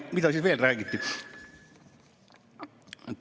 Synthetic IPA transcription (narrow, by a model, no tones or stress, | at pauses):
mit̪osit̪ʋielræːkit̪ːi